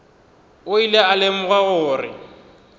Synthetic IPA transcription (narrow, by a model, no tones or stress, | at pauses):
ʊilɛalɪm̩ɣaɣʊːrɪ̰